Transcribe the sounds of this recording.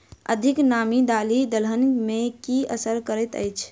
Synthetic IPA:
ə̰d̪ʱiknamid̪alid̪əlɦənmekiəsəɾkəɾɛt̪ə̰jt͡ʃʰ

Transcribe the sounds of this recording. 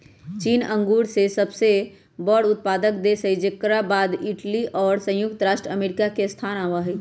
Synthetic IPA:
t͡ʃiːnə̃ŋɡuːɽsesəbse | bɔːɽʊt̪̚paːd̪ək̚d̪esəjd͡ʒekːəɾabaːd̪ɪʈliʔɔːɾsə̃jʊk̚t̪əɾaːʃʈɾəəmeːɾɪkakest̪ʰaːnaʋaɦɛ

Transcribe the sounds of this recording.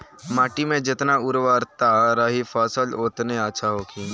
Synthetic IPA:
maːʈimẽd͡ʒɪt̪naʊɾʋəɾt̪aɾaɦifʰɔːsəloːt̪neəːʃʰaɦoːkʰi

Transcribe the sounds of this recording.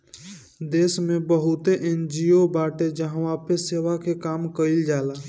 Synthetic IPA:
d̪eːsmẽbəɦʊt̪eʔẽːnd͡ʒiobaːʈed͡ʒəɦãaːpeseːʋakekaːmkəɪld͡ʒaːlaː

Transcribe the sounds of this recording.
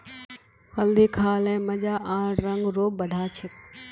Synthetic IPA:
ɐld̪ikʰaːlɛ̃ːmɐ̃d͡ʑaːʔãːɾɐ̃ŋɡɾoːbɐɖʱaːt͡ɕʰət̪

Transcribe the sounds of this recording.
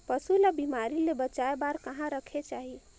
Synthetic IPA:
pəsulabimaɾilebət͡ʃaebaɾkəɦãɾəkʰet͡ʃaɦi

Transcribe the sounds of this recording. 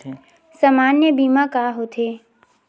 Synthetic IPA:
samaːnjəbiːmakaːɦoːt̪ʰeː

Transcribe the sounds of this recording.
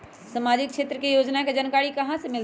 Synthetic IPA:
səmaːd͡ʒɪk̚kʃeːt̪ɾəkejoːd͡ʒnaked͡ʒənkaːɽikɐɦãsemɪl

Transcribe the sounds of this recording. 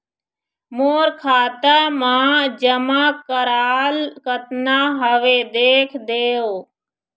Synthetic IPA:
moːɾkʰaːt̪aːmãːd͡ʒəmãːkəɾaːlkət̪naːɦəʋeːd̪eːkʰd̪eːoː

